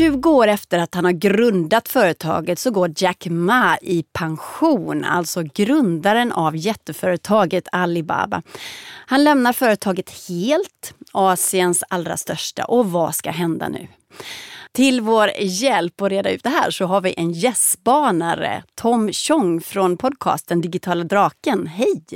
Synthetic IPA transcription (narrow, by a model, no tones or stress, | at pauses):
ɵ̟ːɡoːɾɛft̪əɾat̪hanhaɾɡɾɵnd̪at̪fœːɾət̪ʰɑ̰ːɡət̪sɔɡoːd͡ʒakmaʔɪpʰaŋɧuːna̰lt̪sɔɡɾɵnd̪aɾənʔavjɛt̪ːəfœːɾət̪ʰɑːɡət̪ʰalɪba̰ːba̰hanlɛmnaɾfœːɾət̪ʰɑːɡət̪heːlt̪ɑːsɪənsalːɾa̰st̪œʂʈa̰ʔɔvaska̰ɦɛnd̪a̰nʉ̟̰ː | t̪ʰɪlvoːɾjɛlpɔɾeːd̪aʉ̟ːt̪̚d̪ɛɦæ̰ːʂɔɦaɾvɪʔɛnjɛsbɑːnaɾə̰t̪ʰɔmɕɔŋːfɾɔnpʰɔd̪̚kʰɑ̰ːst̪̚d̪ɛnd̪ɪɡɪt̪ʰɑːlad̪ɾɑːkənɦɛj